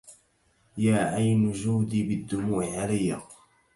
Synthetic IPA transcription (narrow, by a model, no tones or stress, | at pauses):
jaːʔajnʊd͡ʒuːd̪iːbɪd̪ːʊmuːʔɪʕalajːa